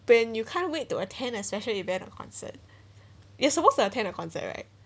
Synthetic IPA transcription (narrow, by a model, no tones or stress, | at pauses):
wɛ̃njukʰãɪ̃nwetːuətʰɛ̃nəspɛʃəlivɛ̃ntɔ̰kʰɔ̰̃nsə̰t̚ | jɛsəpostuətʰɛ̃nəkʰɔ̃nsə̰t̚ɹa̰ɪt̚